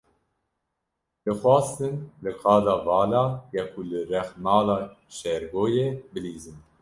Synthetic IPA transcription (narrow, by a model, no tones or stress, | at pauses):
lɨxwʷɑːst̪ɨnlɨkʰɑːd̪ɑːvɑːlɑːjɛkʰulɨɾɛxmɑːlɑːʃɛɾɡoːjeːbɨliːzɨn